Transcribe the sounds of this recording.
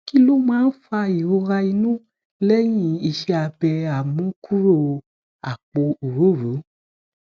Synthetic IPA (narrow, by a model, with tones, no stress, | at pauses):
ki˦lo˦mãː˦n̩˦fa˧i˨ɾo˧ɾa˧i˧nũ˦ | lɛ˦j̃ĩ˧˨i˧ʃɛ˧˦a˧bɛ˧a˨mũ˨˦kʰu˦ɾo˦˨˧ | a˨k͡po˧u˨ɾu˨˦˨ɾu˨˦